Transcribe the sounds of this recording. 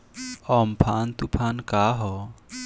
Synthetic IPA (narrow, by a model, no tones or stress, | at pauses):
ɔmpʰant̪upʰankaɦɔ